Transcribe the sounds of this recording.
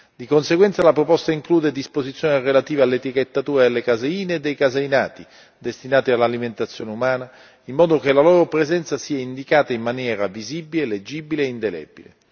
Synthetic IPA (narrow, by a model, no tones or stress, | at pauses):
d̪ikonseɡwɛnt̪salapɾopɔst̪aiŋkluːd̪ed̪ispozit̪sjoːnerelat̪iːvalːet̪iket̪ːat̪uːɾad̪elːekazeiːneːd̪ːejkazeinaːt̪i | d̪est̪inaːt̪ialːaliment̪at̪sːjoːneumaːna | imːɔːd̪okelaloːɾopɾezɛnt̪sasiːaind̪ikaːt̪aimːanjɛːɾaviziːbileled͡ʒːiːbileːind̪elɛ̰bḭlḛ